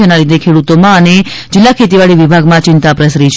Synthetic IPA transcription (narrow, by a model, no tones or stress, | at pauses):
analid̪ʱekʰeɽut̪omãəned͡ʒɪlːakʰet̪iʋaɭiʋibʱaɡmãt͡ʃɪnt̪apɾəsɾit͡ʃʰ